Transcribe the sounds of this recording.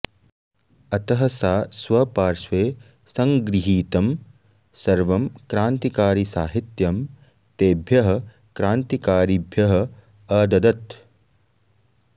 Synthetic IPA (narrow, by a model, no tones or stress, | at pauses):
ɐt̪ɐɦɐsaːsʋɐpaːɾʃʋeː | sɐŋɡɾiɦiːt̪ɐm | sɐɾʋɐmkɾaːnt̪ikaːɾisaːɦit̪jɐm | t̪eːbʱjɐɦɐ̆ | kɾaːnt̪ikaːɾibʱjɐɦɐ̆ | ɐd̪ɐd̪ɐt̪